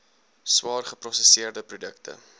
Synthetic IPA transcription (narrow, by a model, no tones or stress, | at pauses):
swɑːrχəprɔsəsiərdəprudəktə̰